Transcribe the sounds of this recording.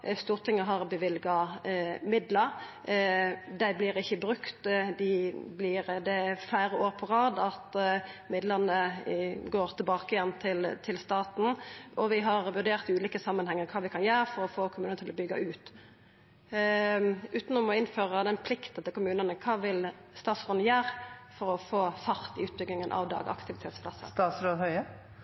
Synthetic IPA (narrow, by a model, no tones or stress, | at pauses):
st̪uːʁt̪ʰɪŋːəɦɑʁbəʋɪlɡɑ | mɪd̪ləɾ | d̪æɪblɪɾɪçəbʁʉkt̪d̪ɪblɪɾd̪ɛæflæɪɾəoːʁpʰɔɾɑːd̪ɑt̪mɪd̪ləʁnəɡoːɾt̪ʰɪlbɑːkɪjɛnːt̪ʰɪlt̪ʰɪlst̪ɑːt̪n̩ɔʋɪɦɑʁʋʉʁɖ̪eːʁt̪ɪʉːliːkəsɑmːənhɛŋːəɾkʰɑːʋɪkʰɑnjæːʁəfɔɾɔfoːkʰʊmʉːnəət̪ʰɪlɔbʏɡːɑ̰ʔʉːt̪ | ʉːt̪nɔmɔɪnføːʁəd̪ɛnpʰlɪkt̪n̩t̪ʰɪlkʰʊmʉːnəʁnəkʰɑːʋɪlst̪ɑːt̪sʁɔnəjæːʁfɔɾɔfoːfɑʁt̪ɪʉːt̪̚bʏɡɪŋənʔɑ̰ʋd̪ɑ̰ːɡɑ̰kt̪ʰɪʋɪt̪ʰeːt̪spʰlɑsːə̰st̪ɑːt̪sɾoːd̪hœʏə